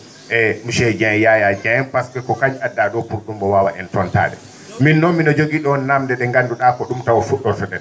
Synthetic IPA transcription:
ʔɛmuʃɛd͡ʒajajad͡ʒaɛnpaskɛkɔkaɲadːaɗɔpuɾɗumbɔwawa̰ʔɛntɔnta̰ːɗɛ̰ | minːɔmːinɔd͡ʒoɡiːɗɔɔnːamdɛɗɛŋɡanduɗakɔɗumtawɔfuɗːɔsɔɗɛɗɛ

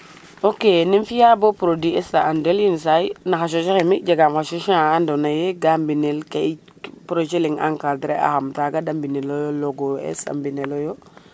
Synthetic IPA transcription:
okeninfijabopɾodiɛsaandelins̬ajnaxaʃ̬oʃixemiɟaɡamxaʃoʃãːndonajeɡambinelkai | pɾoʃeliŋʔa̰ŋkadɾeʔa̰xamtaɡadambinelojoloɡoɛ̰sa̰mbinelojo

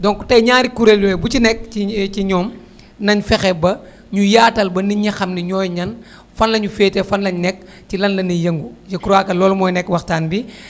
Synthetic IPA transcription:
dɔŋkutɐjɲaːɾikuɾeljuɛbucinɛk̚iciɲɔːm | nɐɲfɛxɛbɐ | ɲujaːtɐlbɐniɲɐxɐmniɲɔːjɲɐn | fɐnlɐɲufeːtɛfɐnlɐɲnɛk̚ | tilɐnlɐnɐjɐŋɡujɐkuɾaːkɐlɔːlmɔːjnɛkːwɐxtaːnbi

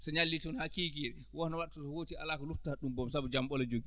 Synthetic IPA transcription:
sɔɲalːitɔnhakiːkiɛɛ | wɔnɔwaɗtɔsɔhotia̰laːkɔluftaɗumbɔmsabud͡ʒamɓɔlɔd͡ʒoɡi

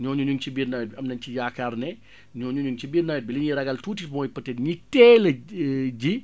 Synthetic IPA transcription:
ɲɔːɲuɲuŋt͡ʃibiːrnajɛt̚biɐmnɐnt͡ʃijaːkarnɛ | ɲɔːɲuɲuŋt͡ʃibiːrnawɛt̚biliɲiɾɐɡɐltuːtimɔjpɐtɛnɲitɛːlɐɟi

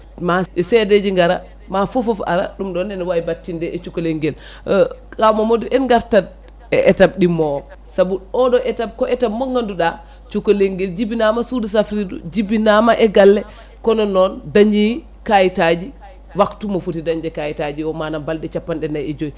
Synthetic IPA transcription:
maɗɔsɛded͡ʒiŋɡaɾa̰ | mafɔfɔfa̰ɾa̰ɗumɗɔnɛnɔwaibatːindɛʔɛt͡ʃukɔleŋɡɛl | kamɔmoduʔɛnɡaɾtad̚ | ɛ̰ʔɛtab̚ɗimɔ | sabuɔɗɔʔɛtab̚kɔʔɛtabmɔŋɡanduɗa | t͡ʃukɔleŋɡɛld͡ʒibinamasudus̬afɾidṵd͡ʒibinamaʔɛɡalːɛ | kɔnɔnɔndaɲd͡ʒi | kajitad͡ʒi | waktumɔfutidaɲd͡ʒɛkajitad͡ʒiɔmanabaldɛt͡ʃapːanɗɛnajɛd͡ʒoi

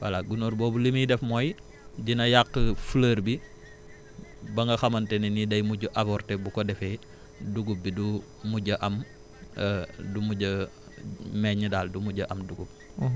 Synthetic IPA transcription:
wɐlaɡunoɾbɔːbulimidɛfmɔːj | d͡ʒinɐjakːəfləːɾbi | bɐŋɡɐxɐmɐntɛninidɐjmuɟuʔɐpɔrtɛbukɔdɛfɛ | duɡup̚bidu | muɟɐʔɐm | dumuɟə | mɛɲːədaːldumuɟɐʔɐmduɡup̚

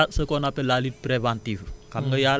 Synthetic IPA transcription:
asəkɔnapelalit̪̚pɾeʋãnt̪iʋkaŋɡəjal

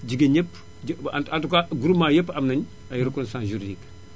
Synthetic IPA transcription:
d͡ʒiɡeɲepː | atatukaɡuɾumajepːamnɐn | ajiɾkunsãsʒuɾidik

